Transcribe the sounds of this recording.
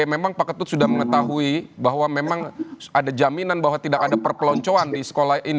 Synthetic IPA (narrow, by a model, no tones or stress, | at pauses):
memaŋpakət̪ʊt̪sudahməŋət̪aɦuibaɦwamemaŋadad͡ʒaminanbahwat̪idakadapərpəlɔɲt͡ʃoandisə̥kolahin